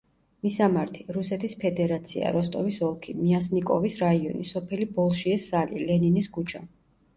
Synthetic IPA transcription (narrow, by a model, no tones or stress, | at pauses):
misamaɾt̪ʰiɾusɛt̪ʰispʰɛd̪ɛɾat̪sʰia̰ɾɔst̪ʼɔvisɔlˠkʰimiasnikʼɔvisɾaiɔnisɔpʰɛlibɔlˠʃiɛsːalilɛninisɡut͡ʃʰa